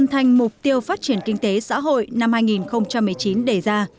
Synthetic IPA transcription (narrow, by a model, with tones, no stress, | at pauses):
ə˧nt̪ʰa˧jŋ̟mʊ˨˩k͡p̚t̪i˧əwfaː˦˥t̚t͡ɕi˧˩ənkï˧ŋ̟t̪e˨˦sa̰ː˧˥ɦo̰˧˨jna˧mhaː˧jŋi˨˩nxə˧wŋ͡mt͡ɕa˧mːɨ˨˩əjt͡ɕi˨˦nɗe˧˩zaː˧